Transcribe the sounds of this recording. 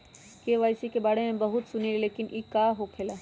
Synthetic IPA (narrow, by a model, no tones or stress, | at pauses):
keʋaːjsikebaːɽemẽbɐɦʊt̪sʊneleleːkɪnʔikaːɦokʰeːla